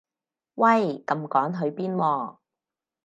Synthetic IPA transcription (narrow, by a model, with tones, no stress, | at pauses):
wɐ˥˩jkɐ˧mkɔː˨˥ŋɦɵ˨˧ɥpiː˥nwɔː˧˩